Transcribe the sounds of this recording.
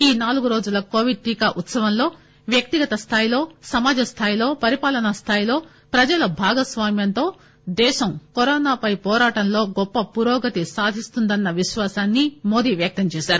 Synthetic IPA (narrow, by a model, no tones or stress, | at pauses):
iːnaːluɡuɾoːd͡ʒulɐkoːʋiɖ̚ʈiːkaːʔut̪sɐʋɐmlo̞ː | ʋjɐk̚t̪iɡɐt̪ɐst̪ʰaːjilo̞ːsɐmaːd͡ʒɐst̪ʰaːjilo̞ːpɐɾipaːlɐnɐst̪ʰaːjlo̞ː | pɾɐd͡ʒɐlɐbʱaːɡɐsʋaːmjɐnt̪o̞ː | d̪ɛːʃɐmkɔɾɔːnaːpɐjpɔːɾaːʈɐmlo̞ːɡɔpːɐpuɾoːɡɐt̪isaːd̪ʱist̪und̪ɐnːɐʋiʃʋaːsaːnːimoːd̪iːʋjɐk̚t̪ɐmt͡ʃɛːʃaːɾu